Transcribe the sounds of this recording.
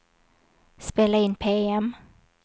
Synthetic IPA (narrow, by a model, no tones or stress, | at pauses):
speːlaɪnːpʰeːɛm